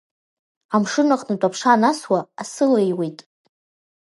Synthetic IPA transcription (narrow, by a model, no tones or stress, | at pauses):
amʂɨnaqʼnatʷʼapʰʂanaswaːsɨlejwe̞jtʼ